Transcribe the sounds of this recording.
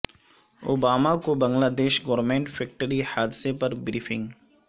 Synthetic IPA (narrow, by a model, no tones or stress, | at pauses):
o̰ːbaːmakobɐ̃ŋɡlaːd̪eːʃɡoʋɾmẽːɳʈfɛk̚ʈəɾihaːd̪ɪsepɐɾbɾiːfɪ̃ŋɡ